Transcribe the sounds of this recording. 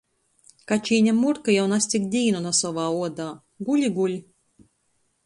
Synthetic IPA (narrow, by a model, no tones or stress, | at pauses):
kat͡ʃiːnʲɛmuɾkɨjawnasʲt̪ʲikd̪ʲiːnɔnasɔʋaːuɔd̪aː | ɡulʲiɡulʲ